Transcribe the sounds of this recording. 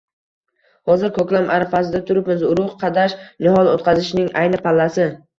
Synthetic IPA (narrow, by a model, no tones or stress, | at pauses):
hɒzɪɾkʰɵkʲlamʔaɾafasɪd̪at̪ʰʊɾɪpmɪzʊɾʊqqʰɑd̪aʃnɪhɒlot̪qʰɑzɪʃnɪŋajnɪpʰalːasɪ